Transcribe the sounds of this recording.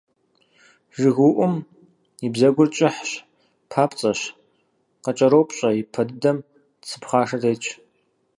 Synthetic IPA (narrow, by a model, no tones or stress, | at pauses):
ʒɨɣuʔʷʊm | ibzɐɡʷʊrt͡ʃʼɪħɕ | pʰaːpʼt͡sʼɐɕ | qɐt͡ʃʼɐɾowpʰʼɕʼɐipʰɐdɨdɐm | t͡sʰɨ̥pχaːʂɐreːt͡ʃʼʰ